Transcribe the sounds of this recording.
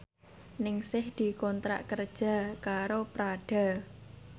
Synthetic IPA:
nɪŋsɪhd̪̥i̤kɔnt̪ɾa̰ʔkərd̥ʒ̥a̤kaɾopɾaɖ̥a̤

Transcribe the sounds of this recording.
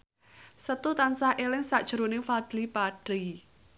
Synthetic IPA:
sət̪ut̪ansahʔelɪŋsaʔd̥ʒ̥ɾonɪŋfad̪̥lipaɖ̥ɾi

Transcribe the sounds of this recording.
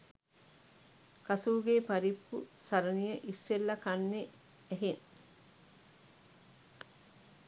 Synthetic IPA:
kɐsuːɡeːpɐɾipːusɐɾɐnijəʔisːelːɐkɐnːe | eɦeŋ

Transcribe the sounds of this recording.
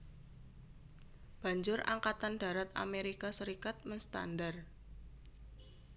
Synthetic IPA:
b̥a̤ɲd͡ʒʊra̰ŋkat̪and̥a̤ɾat̪a̰meɾikasəɾikat̪̚mənst̪a̰ndar

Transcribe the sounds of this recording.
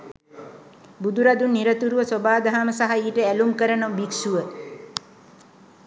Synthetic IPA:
bud̪uɾad̪unːiɾət̪uɾuʋəsobaːd̪aɦaməsaɦaiːʈəælumkəɾənobiksuʋə

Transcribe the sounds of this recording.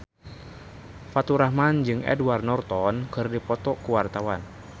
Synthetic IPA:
fat̪uɾahmand͡ʒɨŋɛ̰dwarnɔrt̪ɔnkɨrdipɔt̪ɔkuwart̪awan

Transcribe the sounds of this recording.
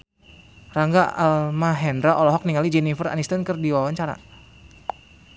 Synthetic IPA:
raŋɡaalmaɦɛndɾaʔɔlɔɦɔk̚niŋalid͡ʒɛnifəra̰nist̪ənkərdiwawaɲt͡ʃaɾa̰

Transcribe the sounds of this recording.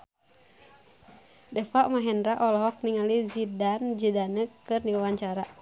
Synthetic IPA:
dɛfaʔmaɦɛnɾaʔɔlɔɦɔk̚niŋalizidand͡ʒidanəkkɨrniwawaɲt͡ʃaɾa

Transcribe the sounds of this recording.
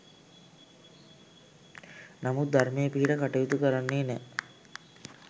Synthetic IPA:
namut̪̚d̪ʱaɾmejəpiɦiʈəkaʈijut̪ukəɾanːeːnɛ

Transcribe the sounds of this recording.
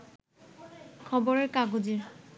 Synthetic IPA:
kʰɔbɔɹeɹkaɡoziɹ

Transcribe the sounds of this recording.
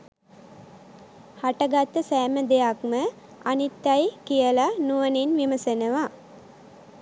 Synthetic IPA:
haʈəɡat̪ːəsæːməd̪ejakmə | anit̪ːajkijəlanuʋəninʋiməsenəʋa

